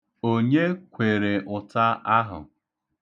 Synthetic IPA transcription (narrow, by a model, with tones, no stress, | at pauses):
o˦ɲe˦kʷe˨ɾe˨ʔʊ˨ta˦a˦ɦʊ̰˨